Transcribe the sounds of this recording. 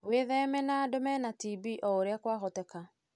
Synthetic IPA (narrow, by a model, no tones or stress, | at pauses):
weðɛmɛnadomɛnatibiʔɔoɾeakwaɣɔtɛka